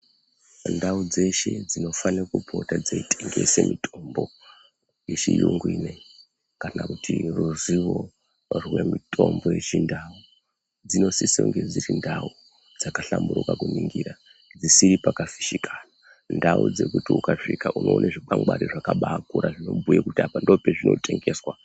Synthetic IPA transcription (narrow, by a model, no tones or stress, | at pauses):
ndaud͡ze̞ʃe̞d͡zino̞faniakubʱo̞tad͡zeitʰeŋɡe̞̰semʔitʰombo̞ | jet͡ʃijuŋɡwine | kanakutʰiruziʋo̞ | rwe̞mitʰo̞mbo̞jet͡ʃindau | d͡zino̞sisoŋɡed͡ziɾindau | d͡zakaɬambuɾukakuniŋɡiɾa | d͡zisiɾipakafi̥ʃikaːna | ndaud͡ze̞kutiukaʂikaʔuno̞ːnʔeʐiɓaŋɡ͡baɾiʐakaɓaːkuɾaʐino̞bʱujekutapandopeʐino̞̰tʼe̞ŋɡe̞ːswa